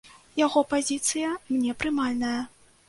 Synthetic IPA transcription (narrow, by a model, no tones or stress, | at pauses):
jaɣɔpazʲit̪sɨjɐmnʲɛpɾɨmalʲnɐjɐ